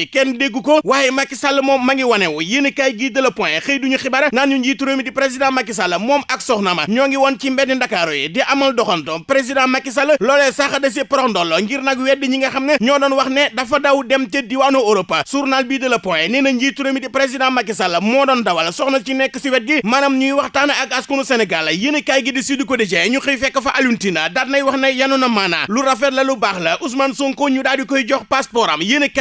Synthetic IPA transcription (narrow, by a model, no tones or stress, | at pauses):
kɛndeɡːukowaːjɛmakːisɐlːɐmɔːmːɐŋɡiwɐnɛwɔjinɐkajɡiːdɐlɐpɔ̃jɛxəjduɲuxibɐɾɐŋaːnɲuɲd͡ʒiːtuɾoːmitipɾes̬idãmɐkːis̬alːɐmɔːmɐk̚sɔxnɐmɐ̰ɲɔːŋɡiwɔnt͡ʃimbɛt̚nindɐkːaːɾujɛdɛʔɐmɐldɔxɔntɔpɾes̬idãmɐkis̬ɐlːɐlɔːlɛsaxɐdɐs̬ipɔɾɔkndɔlːoŋɡiɾnɐkwɛt̚diɲiŋɡɐxɐmnɐɲɔːdɔnwɐxnɛdɐfɐdɐwudɛmtɛdiwanooɾɔpːɐsuɾnalbidɐlɐpɔjɛninɐɲd͡ʒituɾemidipɾes̬idãmɐkːis̬ɐlːɐmɔːdɔndɐwɐlɐsɔxnɐt͡ʃinɛkːəsiwɛt̚ɡimanɐmɲujiwɐxtanɐɐkɐskunusɛnɛɡalːɐjənɐkajɡidisidukodɐd͡ʒɛjɲuxijfɛkːɐfɐʔɐluntinɐdat̚nɐjwɐxnɐjjɐnunɐmana̰luɾɐfɛdlɐlubaːxlɐʔus̬mansuŋkoɲudaːdjukɔjiɟɔxpaspɔɾɐmjənək